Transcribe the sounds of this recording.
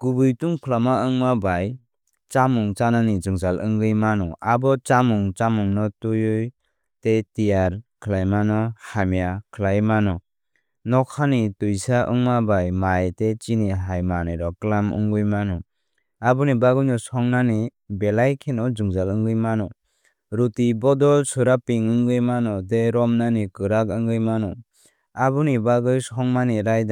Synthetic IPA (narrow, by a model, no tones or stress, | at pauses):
ɡ̥ubɯjtuŋkʰlamaɯŋmabaj | t͡ʃamuŋt͡ʃananizɯŋzalʔɯŋɡɯjmanɔabɔt͡ʃamuŋt͡ʃamuŋnɔtujuj | tetijaɾkʰlajmanɔhamijakʰɯlajmanɔ | nɔkʰanitujsaʔɯ̰ŋmabajmajtet͡ʃiniɦajmaniɾɔklamɯ̰ŋɡɯjmanɔ | abunibaɡɯjnɔsɔŋnanibelajkʰenɔzuŋzalɯŋɡɯjmanɔ | ɾutibɔdɔsuɾapiŋɯŋɡɯjmanɔdeɾɔmnanikɯɾakɯŋɡɯjmanɔ | abunibaɡɯjsɔŋmaniɾajda